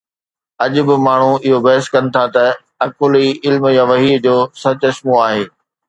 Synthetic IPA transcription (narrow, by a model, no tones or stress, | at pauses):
ɐʄʊbɪmaːɳ̤uɪɦobɐɦəskɐnɪ̆t̪ʰat̪ɐ | ɐkʊliːɪlmjãʋɐɦiːd͡ʑoːsɐt͡ɕʊɪsmuaːɦeː